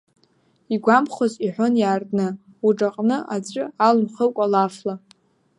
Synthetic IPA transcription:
iɡʷamχoziħʷonjaːrtʼnɨ | uʈ͡ʂʼaqʼnɨʔad͡zʷʼʊalmχəlkʷʼalafla

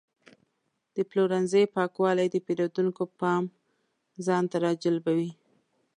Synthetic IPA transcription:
d̪̥əploɾanzəjpɑkwɑlajd̪əpeɾod̪uŋkopɑm | zɑnt̪aɾɑd͡ʒalbawi

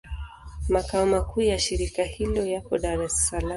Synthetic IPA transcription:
makaɔmakʰuːjaʃiɾikahilɔjapɔɗaɾɛsala

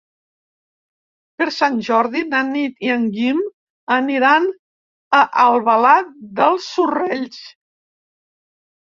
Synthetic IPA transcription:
pəɾsanʲʒɔɾðinanit̪iəŋɡim | əniɾan | əʔəlˠβəlat̪̚d̪əlˠsːureʎs

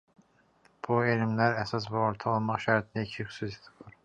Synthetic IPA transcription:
b̥uelimlæɾæsɑs̬buoɾt̪ʰɑolˠmɑχʃæɾt̪ʰind̪æicʰixy̥suse̥t̪ʰi̥buɾ

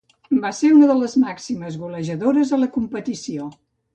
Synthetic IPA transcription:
baseunəðələzmaksiməzɣuləʒəðoɾəzðələkumpət̪isio

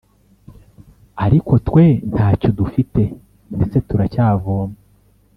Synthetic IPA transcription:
aɾiko̞twe̞n̥haːco̞dufite̞ | ndet͡se̞tuɾacaːvoːme

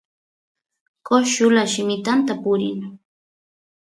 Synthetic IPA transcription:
koʃʊlaʃɪmɪt̪ant̪apʊɾɪ̰n

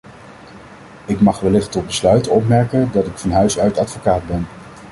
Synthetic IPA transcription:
ɪkmɑχʋɛlɪχtɔd̚bəslœɥtɔpmɛɹkəndɑtɪkfɑnɦœɥsœɥtɑtfokaːdbɛn

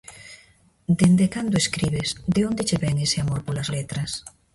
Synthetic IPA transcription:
d̪end̪ekand̪oeskɾiβesd̪eond̪et͡ʃeβɛŋeseamoɾpolazlet̪ɾas

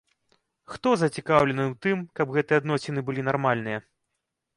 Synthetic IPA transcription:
xt̪ɔzɐt͡sʲikawlʲɛnɨwt̪ɨmkɐbɣɛt̪ɨjɛad̪nɔsʲɛnɨbɨlʲinarmalʲnɨjɐ

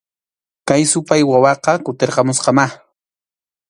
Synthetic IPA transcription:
kajsʊpajwawɑqɑkʊt̪eɾqɑmʊsqɑmaχ

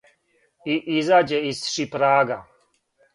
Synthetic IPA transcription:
iʔizad͡ʑɛisʂipɾaːɡa

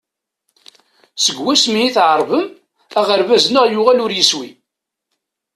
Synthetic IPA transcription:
səɡwæsmiiθʕəɾˤvəm | æʁəɾvæznəʁjʊʁælʊɾjəswi

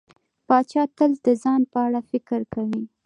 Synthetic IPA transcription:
pɑt͡ʃɑt̪əlzd̪əzɑnpəaɽafɪkəɾkawi

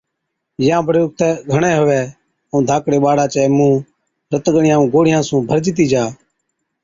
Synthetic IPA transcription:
jãːpɾjʊːk̚t̪ɛːɡʱəɳɛːɦʊʋɛː | ũːd̪ʱaːkɽeːɓaːɽaːt͡ʃɛːmũː | ɾət̪ɠəɳɪjãːũːɡoːɽɪjãːsũːbʱəɾd͡ʒɪt̪̬iːd͡ʒaː

